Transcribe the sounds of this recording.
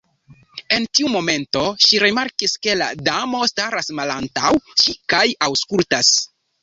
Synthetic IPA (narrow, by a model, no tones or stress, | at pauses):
e̞ntiumo̞me̞nto̞ʃiɾemaɾkiske̞la̰damo̞staɾasmalantawʃikajawskultas